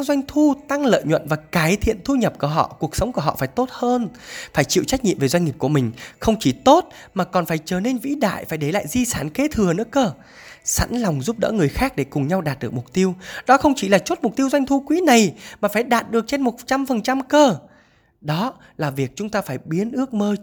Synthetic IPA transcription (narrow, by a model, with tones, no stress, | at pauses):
zwa˧jŋ̟t̪ʰu˧t̪a˧ŋlə̰ː˧˨jɲwə̰˧˨nvaː˨˩kaː˨˦jt̪ʰḭ˧˨ənt̪ʰu˧ɲə˨˩p̚ku˧˩əɦɔ̰˧˨ku˨˩ək̚sə˨˦wŋ͡mku˧˩əɦɔ̰˧˨faː˧˩jt̪o˦˥t̚həː˧nfaː˧˩jt͡ɕḭ˧˨wt͡ɕa˦˥k̚ɲḭ˧əmve˨˩zwa˧ŋ̟ŋi˨˩p̚ku˧˩əmï˨˩ŋ̟xə˧wŋ͡mt͡ɕi˧˩t̪o˦˥t̚ | maː˨˩kɔ˨˩nfaː˧˩jt͡ɕəː˧˩ne˧nvḭ˧˥ɗa̰ː˧˨jfaː˧˩jɗe˧˩la̰ː˧˨jzi˧saː˧˩nke˨˦t̪ʰɨ˨˩ənɨ̰˧˥əkəː˧ | sa̰˧˥nlwŋ͡mzu˦˥p̚ɗɔ̰˧˥ŋɨ˨˩əjxaː˦˥k̚ɗe˧˩kʊ˨˩ŋ͡mɲa˧wɗaː˨˩t̚ɗɨ˨˩əkmʊ˨˩k͡p̚t̪i˧əwɗɔ˨˦xə˧wŋ͡mt͡ɕi˧˩laː˨˩t͡ɕo˦˥t̚mʊ˨˩k͡p̚t̪i˧əwza˧jŋ̟t̪ʰu˧kwi˨˦na˨˩jmaː˨˩faː˧˩jɗaː˨˩t̚ɗɨ˨˩ək̚t͡ɕe˧nmo˨˩t̚t͡ɕa˧mfə˨˩nt͡ɕa˧mkəː˧ | ɗɔ˨˦ | laː˨˩vi˨˩ək̚t͡ɕʊ˨˦ŋ͡mt̪aː˧faː˧˩jɓi˨˦ənʔɨ˦˥ək̚məː˧